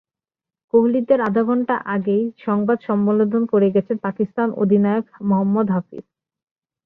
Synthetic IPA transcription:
koɦlid̪eɾad̪ʱaɡɔnʈaʔaɡejʃɔŋbad̪ʃɔmːolod̪ʱonkoɾeɡɛt͡ɕʰenpakist̪ano̰d̪ʱinajokmoɦɔmːɔd̪ɦafḭs

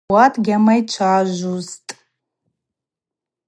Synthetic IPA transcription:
atʰʼɡʲamajt͡ʃʷʰaʒʷuztʼ

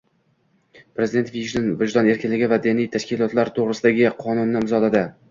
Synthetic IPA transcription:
pɾezɪd̪e̞nt̪viʒd̪ɪnvɪʒd̪ɒne̞ɾkʲʰɪnlɪɡʲɪvad̪ɪnijt̪ʰaʃkʲɪlˠɒt̪laɾt̪ʰoʁɾɪsɪd̪aɡʲɪqʰɒnʊnːɪɪmzɒlad̪ɪ

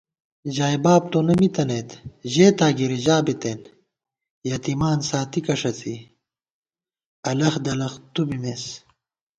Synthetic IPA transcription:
ʑaːjbaːb̚t̪oːnɐmit̪ɐneːt̪ʑeːt̪aːɡiɾiʑaːbet̪eːn | jɐt̪imaːnsaːt̪ikɐʂɐt͡si | ɐlɐxd̪ɐlɐxt̪ubimes

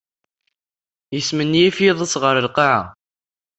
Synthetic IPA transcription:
jəsmənːijifjeðˤəsʁəɾəlqɑʕa̰

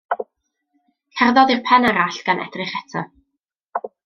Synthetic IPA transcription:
kʰɛrðɔðirpʰɛnaɾaɬɡ̥anʔɛ̰d̥rɪχɛtʰɔ

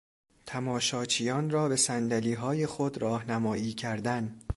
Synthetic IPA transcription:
t̪ʰæmɒːʃɒːt͡ʃʰijɒːnrɒːbe̞sænd̪æliːɦɒːje̞xod̪ɾɒːhnæmɒːiːcʰæɾd̪æn

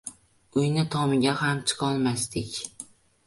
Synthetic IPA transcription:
ʊjnɪt̪ʰɒmɪɡʲahamt͡ʃʰɨ̥qʰɒlˠmast̪ɪkʲ

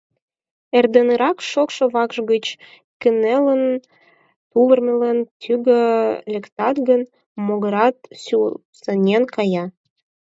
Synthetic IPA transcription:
erd̪enəɾɑkʃokʃŏβɑkʒɣət͡ɕ | kənelən | t̪uβərmelənt̪yɡəlʲekt̪ɑt̪ɡən | moɣəɾɑt̪su | sə̆nʲenkɑjɑ

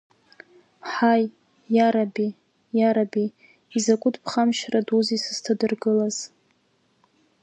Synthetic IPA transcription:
ħaj | jaɾabi | jaɾabi | izakʷʼʊdʰpʰχamʃraduzisɨz̥tʰadɨrɡɨlaz̥

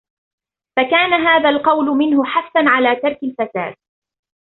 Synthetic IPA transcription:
fakaːnaɦaːðalqɑwlʊmɪnhʊħafθanʕalaːt̪ɑɾˤkalfasa̰ːd̪̥̚

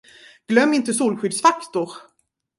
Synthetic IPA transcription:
ɡ̥lœmːɪnt̪əsuːlɧʏd̪sfakt̪ʊɾ

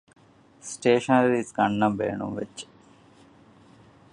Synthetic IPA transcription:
sʈeːʃɐnɐɾisɡɐɳːɐmʋḛːɳṵmʋḛt͡ʃː

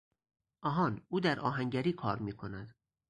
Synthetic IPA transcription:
ʔɒːɦɒːnuːd̪æɾʔɒːɦæŋɟæɾiːkʰɒːɾmiːkʰonæd̪̥

